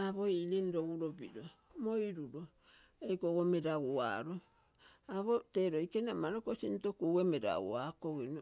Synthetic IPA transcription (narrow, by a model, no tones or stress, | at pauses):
aβoilinɾoɡuɾobḭɾo | moiɾuɾo | ejkoɡomeɾaɡua̰ɾo | aβoteɾoikenamaɾokosintokuwemeɾa̰ṵakoino